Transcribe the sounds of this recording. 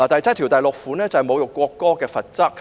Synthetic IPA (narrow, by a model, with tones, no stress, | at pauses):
aː˨˩t̪ɐ˨jt͡sʰt̪̚ʰiː˨˩wt̪ɐ˨jlʊ˨k̚fu˨˥nɛː˥t͡sɐ˨hɛ˨jmo˨˧wjʊ˨kːʷɔː˧kːɔː˥kɛː˧fɐ˨t̚t͡sɐ˥k̚